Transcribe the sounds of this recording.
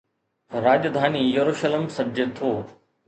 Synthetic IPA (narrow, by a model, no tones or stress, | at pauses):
ɾaːd͡ʒd̪ʱaːnijɐɾuːʃəlemsɐd͡ʒet̪ʰoː